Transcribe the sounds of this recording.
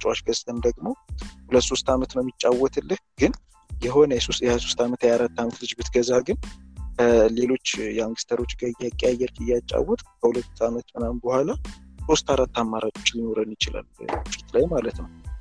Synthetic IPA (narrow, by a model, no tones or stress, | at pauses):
t͡ʃʼwaʃɡəst̪ʰʼənd̪əɡmo̞hulət̪ːso̞st̪amət̪nəmit͡ʃʼːawːɔt̪ʰɨlːɨhɡɨn | jɛɦo̞nəjɛsosjɛhaso̞st̪amət̪jɛaɾat̪ːamət̪lɨd͡ʒbɨt̪ɡəzaɡɨn | le̞lo̞t͡ʃːjaŋɡɨst̪ʰəɾo̞t͡ʃːɡəjakʼejajːɛɾkʰʼɨjat͡ʃʼːa̰wːɔt̪ʼkʰəhulət̪ːamət̪mɨnambəhʷalaso̞st̪aɾat̪ːamːaɾat͡ʃʼo̞t͡ʃːlino̞ɾənjɪt͡ʃɪla̰lbfi̥t̪lajmalət̪nəw